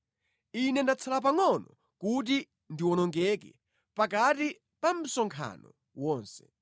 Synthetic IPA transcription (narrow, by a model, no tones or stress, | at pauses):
inɛndat͡sʰalapaŋɔnɔ | kut̬i | ndiwɔnɔŋɡɛkɛ̰ | pakati | pam̩sɔŋkʰa̰nɔ̰ | wɔːnsɛ̥